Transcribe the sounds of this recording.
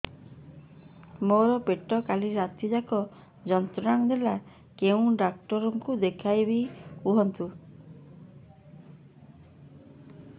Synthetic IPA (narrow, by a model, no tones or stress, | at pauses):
moɾɔpeʈɔkaliɾat̪id͡ʒakɔ | d͡ʒɔnt̪ɾɔɾaŋd̪ela | keũɖakʈɔɾɔŋkud̪ekʰajbiuɦɔnt̪u